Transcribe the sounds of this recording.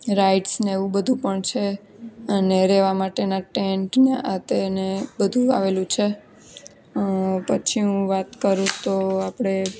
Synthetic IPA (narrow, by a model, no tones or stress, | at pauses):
ɾaiʈsneeʋũbəd̪ʱũpəɳt͡ʃʰe | əneɾeʋamaʈenaʈeɳʈneʔat̪enebəd̪ʱũa̰ʋelũt͡ʃʰe | pət͡ʃʰiɦũʋat̪kəɾũt̪oapɽ̃e